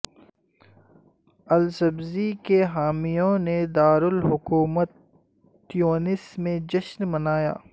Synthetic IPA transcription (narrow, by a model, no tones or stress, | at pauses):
ɐlsɐbzikeɦaːmijõned̪aːɾʊlɦʊkuːmət̪ː | ijoːnɪsmẽd͡ʒɐʃnmɐnaːja̰ː